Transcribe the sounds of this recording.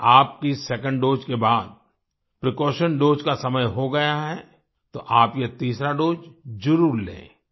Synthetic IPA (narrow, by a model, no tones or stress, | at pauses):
aːp̚kisɛkə̃ɳɖɖoːd͡ʒkebaːd̪̚ | pɾɪkɔːʃənɖoːd͡ʒkasɐməjɦoɡɐjaɦɛ | t̪oʔaːpjet̪iːsɾaɖoːd͡ʒd͡ʒʊɾuːɾlḛ̃ː